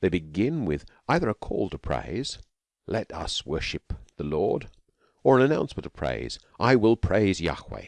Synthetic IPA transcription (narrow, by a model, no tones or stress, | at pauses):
ðeɪbɨɡɪ̃nwɪðʔaɪðə˞ɨkʰɔ̰lˠtʰəpʰɹ̥ḛɪz̥ | lɛɾʌ̰swɜ˞ʃɨp̚ðəlɔ̰ɹd | ə˞ə̃nɨnãʊ̃nsmə̃ntʌv̥pʰɹ̥ḛɪz̥ | ʔaɪwɪlˠpʰɹ̥eɪzjɑ̰xwḛɪ